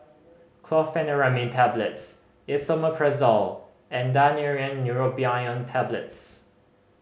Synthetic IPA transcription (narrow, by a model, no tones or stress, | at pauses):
kʰlɔfɛ̃nəɹamitʰɛblə̰ts | ɪsoməkʰɹɛzɔl | ɛ̃ndaniɹiə̃nːjuɹopiãə̃ntʰɛblə̰ts